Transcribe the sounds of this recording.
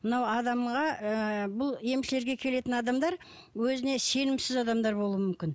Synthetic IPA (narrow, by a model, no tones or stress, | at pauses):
mənɑwɑd̪ɑmʁɑəbʊlˠje̞mʃɪle̞ɾɡʲe̞kʲʰe̞le̞t̪ɪnɑd̪ɑmd̪ɑɾ | wɵzɪne̞se̞nɪmsɪzɑd̪ɑmd̪ɑɾbo̞lˠuwəmʏmkʲɪn